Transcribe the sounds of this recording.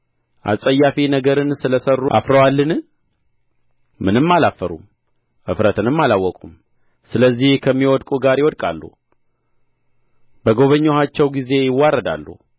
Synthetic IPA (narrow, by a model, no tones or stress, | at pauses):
ʔa̰sʼəjːafinəɡəɾɨnsɨləsərːuʔa̰fɾəwalːɨn | mɨnɨmːalafːəɾṵm | ʔɨ̰fɾət̪ʰɨnɨmːalawːɔkʼum | sɨləzːihkʰəmːiwɔd̪kʼuɡaɾjɪwɔd̪kʼa̰lːṵ | bəɡo̞βəɲːohat͡ʃːɛwɡize̞jɪwːarːəd̪a̰lːṵ